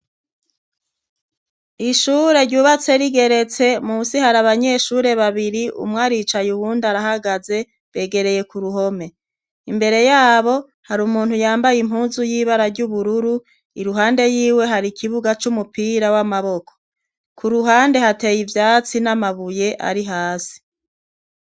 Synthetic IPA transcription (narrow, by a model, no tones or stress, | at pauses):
iʃuɾe̞ɾɟuːβat͡se̞ɾiɡe̞ɾe̞t͡se̞musihaɾaβaɲe̞ʃuːɾe̞βaβiɾiʔṵmŋaːɾit͡ʃajuβuːndaɾahaɡaze̞ | βe̞ːɡe̞ɾe̞je̞kuɾuɦo̞me̞ | imbe̞ɾe̞jaːβo̞ | haɾumuːn̥hujaːmbajim̥huːnzujiːβaɾaɾɟuβuɾuɾu | ḭɾuɦaːnde̞jiːwe̞ɦaɾikʰiβuɡat͡ʃumupiːɾawamaβo̞kʰo̥ | kʰuɾuɦaːnde̞hate̞ːjivjaːt͡sinamaβuje̞ʔa̰ɾiɦaːsi̥